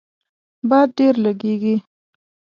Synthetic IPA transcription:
bɑd̪̚ɖeɾlaɡeɡi

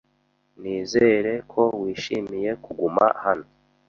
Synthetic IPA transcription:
niːze̞ɾe̞kʰo̞wiːʃimije̞kuɡuma̰hano

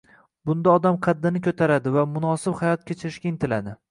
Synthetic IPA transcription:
bʊnd̪aɒd̪amqʰɑd̪ːɪnɪkʰʲɵt̪ʰaɾad̪ɪvamʊnɒsɪbhajɒt̪̚kʲʰet͡ʃʰɪɾɪʃkʲaɪnt̪ʰɪlad̪ɪ

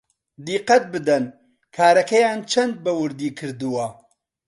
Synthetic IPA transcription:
d̪iqɐt̪̚bɨd̪ɛn | kʰaːɾɐkɛjaːnt͡ʃʰɐnd̪̚bɛwʊɾd̪iːkʰɨɾd̪uwɐ

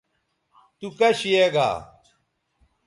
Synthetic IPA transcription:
t̪ukɐɕijeɡa̰ː

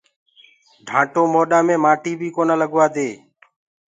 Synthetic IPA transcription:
ɖʱãːʈoːmoːɗaːmẽːmaːʈiːbʱiːkoːnaːləɡʋaːd̪eː

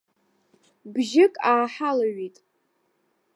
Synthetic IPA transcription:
bʒɪkʼaːħalaɥitʼ

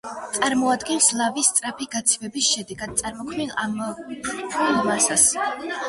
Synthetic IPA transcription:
t̪sʼaɾmɔad̪ɡɛnslˠavist̪sʼɾapʰiɡat̪sʰivɛbisʃɛd̪ɛɡad̪̚t̪sʼaɾmɔkʰmilampʰuamasas

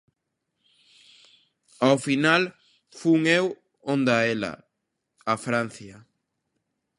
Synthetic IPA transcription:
awfinal | fuŋew | ond̪aela̰ː | fɾan̟θjɐ

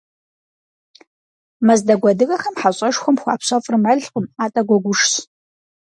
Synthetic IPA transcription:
mɐzdɐɡʷɐdɨɣɐxɐmħaɕʼɐʂxʷɔmxʷaːpɕɐfʼrmɐɮqʼəmaːtʼɐɡʷɔɡʷʊʂɕ

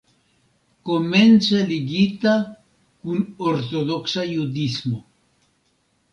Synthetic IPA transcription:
komenseliɡit̪a | kunoɾt̪oðoksajud̪izmo

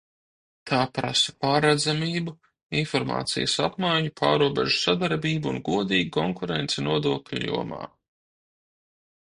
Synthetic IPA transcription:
t̪ʰaːpɾa̰sḁpaːɾad̪zamiːbu | infɔɾma̰ːt̪sḭjɐsapmajɲupʰaːɾuɔbɛ̰ʒu̥sad̪aɾbiːbuunɡuɔd̪iːɡ̚kɔŋkuɾent̪sɛnuɔd̪uɔkʎʲṵjṵɔma̰ː

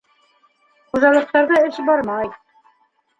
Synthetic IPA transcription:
qŭzɑlˠɤ̆q̚t̪ɑɾðɤɘʃbɑɾmɑj

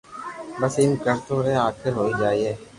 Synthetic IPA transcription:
bəsɪmkəɾt̪oɾɛːaːkʰɪɾɦoːid͡ʒaːiɦɛː

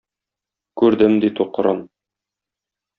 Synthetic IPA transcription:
kʉɾd̪ɘmd̪it̪uqɤ̆ɾɤn

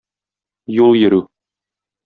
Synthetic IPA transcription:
julˠjɘ̆ɾʉ

